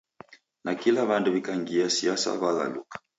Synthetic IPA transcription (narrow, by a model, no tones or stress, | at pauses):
nakilaβanduβikaŋɡiasiasa̰βaɣa̰lṵkḁ